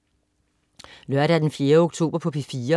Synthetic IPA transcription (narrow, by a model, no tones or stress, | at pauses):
lɶɐɾ̥æd̥enfje̝ːɐoɡ̥t͡sʰo̝̰ːb̥ɐpʰɒ̽pʰefiːɐ